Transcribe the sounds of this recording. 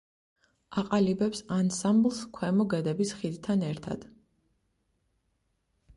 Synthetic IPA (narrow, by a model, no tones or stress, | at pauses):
aqʼalibɛpsansamblˠskʰwɛmɔɡɛd̪ɛbisχid̪t̪ʰanɛɾt̪ʰa̰d̪̥